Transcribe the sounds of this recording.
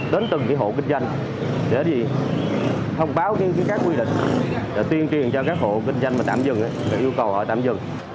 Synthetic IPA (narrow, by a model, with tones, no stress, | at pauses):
ɗe˨˦nt̪ɨ˨˩ŋkaː˨˦jɦo̰˧˨k̬ï˧ŋ̟zwa˧jŋ | ɗe˧˩zi˨˩ | t̪ʰə˧wŋ͡mɓaː˨˦wkaː˨˦kaː˨˦jkaː˦˥kːwi˧ɗḭ̈˧˨ŋ̟ɗa˨˩t̪wi˧ənt͡ɕi˨˩ənt͡ɕɔ˧kaː˦˥k̚ho̰˧˨kï˧ŋ̟za˧jŋmaː˨˩t̪aː˧˨mzɨ˨˩ŋʔa˨˦jmaː˨˩ʔəwkə˨˩whɔ̰˧˨jt̪a̰ː˧˨mzɨ˨˩ŋ